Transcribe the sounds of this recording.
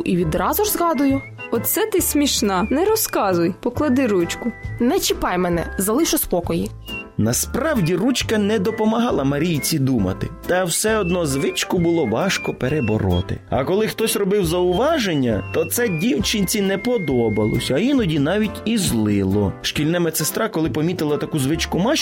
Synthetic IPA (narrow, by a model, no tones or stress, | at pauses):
ʔiʋʲid̪ɾɑzʊrzɣɑd̪ʊjʊ | ɔt̪sɛt̪ɪsʲmʲiʃnɑnɛɾɔskɑzʊjpɔklˠɐd̪ɪɾut͡ʃkʊnɛt͡ʃɪpɑjmɛnɛ̰zɐlˠɪʃɔspɔkɔji | nɐspɾɑwdʲirut͡ʃkɐnɛd̪ɔpɔmɐɦɑlˠɐmɐɾʲijt͡sʲid̪umɐ̰t̪ɪ̰t̪ɐwsɛɔd̪nɔzʋɪt͡ʃkʊbʊlˠɔʋɑʃkɔpeɾebɔ̰ɾɔ̰t̪ɪ̰ɐ̰kɔlˠɪxt̪ɔsʲrɔbɪwzɐʊʋɑʒenʲːɐt̪ɔt̪sɛdʲiwt͡ʃɪnʲt͡sʲinɛpɔd̪ɔbɐlˠɔ̰sʲɐɐjinɔdʲinɑʋʲitʲizlˠɪlˠɔ̰ʃkʲilʲnɛmɛt̪sest̪ɾɑkɔlˠɪpɔmʲit̪ɪlˠɐt̪ɐkuzʋɪt͡ʃkʊmɑʃ